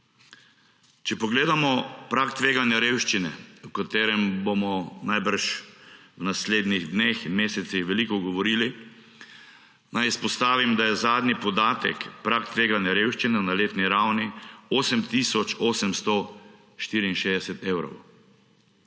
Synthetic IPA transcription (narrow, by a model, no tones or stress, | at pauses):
t͡ʃɛpɔɡleːd̪amɔpɾakt̪ʋeːɡanjaɾeːwʃt͡ʃinɛukat̪eːɾɛmbomɔnajbəɾʃwnasleːd̪niɣd̪nexmeːsɛt̪sixʋɛlikɔɡɔʋɔɾiːli | najispɔst̪aːʋimd̪ajɛzaːd̪nipɔd̪aːt̪ɛ̰kpɾaːkt̪ʋeːɡanjaɾeːwʃt͡ʃinɛnaleːt̪niɾawnioːsɛmt̪isɔt͡ʃoːsɛmst̪ɔ | ʃt̪iɾiinʃeːd̪ɛsɛt̪eːwɾɔ̰w